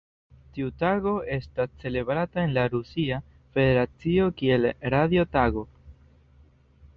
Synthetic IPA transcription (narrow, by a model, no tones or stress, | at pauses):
tiutaɡo̞e̞stast͡se̞le̞bɾatae̞nlaɾusia | fe̞de̞ɾat͡sio̞kie̞lɾaðio̞taɡo̞